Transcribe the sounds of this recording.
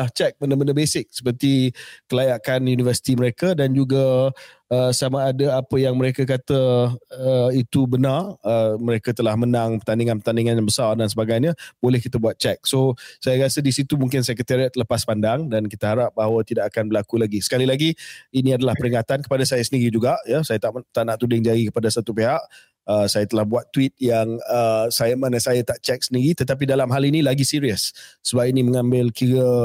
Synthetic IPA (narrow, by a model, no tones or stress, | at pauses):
aht͡ʃɛk̚bəndəməndəbesɪk̚sə̥pərt̪ikəlajaʔkanjunivəsi̥t̪iməɾekədand͡ʒuɡa | əsamaːdaapəjaŋməɾekəkat̪əː | it̪ubənarəməɾekat̪əlahmənaŋpərt̪andiŋãnpət̪andiŋanjaŋbəsardansəbaɡajɲãb̥olɛhkit̪əbuat̪̚t͡ʃɛk̚sosajaɾasədisit̪umũŋk̬ɪnsɛkət̪əɾiat̪̚ləpaspandaŋdankit̪aɦaɾap̚baɦawat̪idaʔakanbəlakulaɡisə̥kalilaɡiinĩadalahpəɾiŋat̪ankə̥padasajasəndiɾid͡ʒuɡaʔjasajat̪aʔt̪anaʔt̪udɪŋd͡ʒajikə̥padasat̪upeɦaʔ | əsajat̪əlahbuat̪ːuwit̪̚jaŋəsajəmanəsajat̪aʔt͡ʃɛk̚səndiɾit̪ət̪ap̬idalamɦalinĩlaɡisiɾiəsːəbap̚inĩməŋãmbɪlkiɾə